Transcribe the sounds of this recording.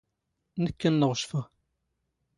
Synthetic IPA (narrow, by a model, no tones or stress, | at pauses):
nəkːənːəʁʃfəʁ